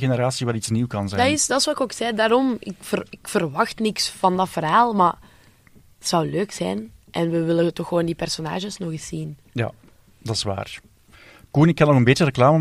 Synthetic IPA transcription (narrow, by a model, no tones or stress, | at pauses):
ɣenəɾaːsiʋaɾitsniːwkɑnzɛdɪsdɑtɪswɑɪkoːksɛːdaːɾɔmɪ̰kfərɪkfərʋɑxtnɪksfɑndɑtfərɦaːlˠma | ətsɑwløːksɛjnʔɛnʋəʋɪlətɔxːəʋoːndipɛrsona̰ːʒəsnɔxɪsːin | ja̰ | dɑɪ̥sʋa̰ːr | kuːnɪkːɑnɔɣənbeːtjəɾəklaːmə